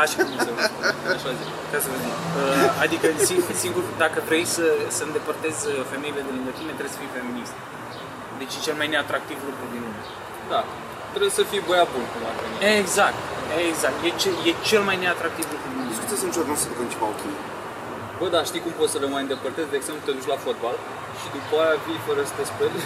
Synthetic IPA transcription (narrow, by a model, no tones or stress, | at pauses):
aʃiueaʃazi | kasəvəd̪iəad̪ikəsinsiŋɡuɾd̪akət̪ɾəisəsəɨnd̪e̞pərt̪e̞zəfe̞me̞ile̞d̪e̞lɨŋɡət̪ime̞t̪ɾeesə̥fijfe̞minist̪ | d̪e̞t͡ʃjet͡ʃe̞lmajne̞at̪ɾak̚t̪ivlukɾud̪inluma̰ | d̪a | t̪ɾebsəfijbojabunkumva̰fenieɡzak̚t̪eɡzak̚t̪jet͡ʃeje̞t͡ʃe̞lmajne̞at̪ɾak̚t̪ivlukɾud̪iuneskut̪esɨnt͡ʃoɾd̪õsəd̪ukənt͡ʃipaokʲi | bəd̪aʃt̪ikumpo̞t̪sələmajɨnd̪e̞pərt̪e̞zd̪eɡz̥emplut̪e̞d̪ut͡ʃlafot̪̚bal | ʃid̪upajavijfəɾəsə̥t̪espeɾ